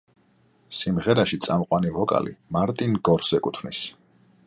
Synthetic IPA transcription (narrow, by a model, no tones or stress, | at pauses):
simʁɛɾaʃit̪sʼamqʼwanivɔkʼa̰lḭmaɾt̪ʼinɡɔɾsɛkʼut̪ʰvnis